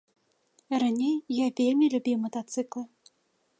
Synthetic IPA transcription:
ranʲejjavʲelʲmʲilʲubʲiwmɐt̪at̪sɨklˠɨ

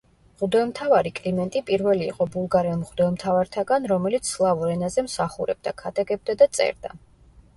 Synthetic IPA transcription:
ʁud̪ɔɛmt̪ʰavaɾikʼlimɛnt̪ʼipʼiɾvɛlḭːqʼɔbulˠɡaɾɛɔmʁud̪ɔɛmt̪ʰavaɾt̪ʰaɡanɾɔmɛlit̪sʰlˠavuɾɛnazɛmsaχuɾɛ̰b̚d̪akʰad̪aɡɛb̚d̪ad̪at̪sʼɛ̰ɾd̪a

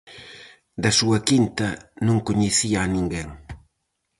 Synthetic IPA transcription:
d̪ɐsuɐkint̪ɐnũŋkuɲeθiaːnĩŋɡeŋ

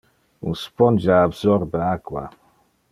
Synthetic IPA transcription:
ṵnspɔnd͡ʒaːbzɔɾbəakwa̰

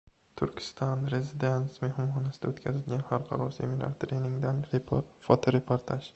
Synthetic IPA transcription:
t̪ʰʊɾkʲʰɪ̥st̪ɒnɾe̞zɪd̪e̞nt̪smohɪmhɒnasɪd̪aot̪kʲʰazɪlɡʲanhaɾqʰɑ̰ɾɒɾsimɪla̰ɾt̪ɾenɪŋd̪anɾfɒt̪ʰoɾepʰoɾt̪ʰaʃ

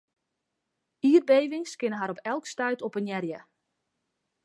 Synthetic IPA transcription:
iːərbejʋɪŋskɪnəɦaɾɔpʰɛlˠkstœɥtɔpənjɛrjə

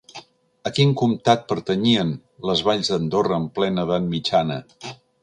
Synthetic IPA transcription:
əkiŋkumt̪at̪̚pəɾt̪əɲiən | ləzβaʎzðənd̪orəːmplɛnəðanmit͡ʃanə̰

